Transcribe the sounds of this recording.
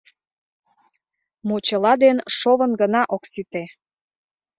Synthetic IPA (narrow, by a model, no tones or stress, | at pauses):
mot͡ɕəlɑd̪enʃoβənɡənɑʔoksit̪e